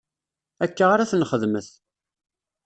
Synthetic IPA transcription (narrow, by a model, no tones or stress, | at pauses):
ækːaʁaɾæθnχəðməθ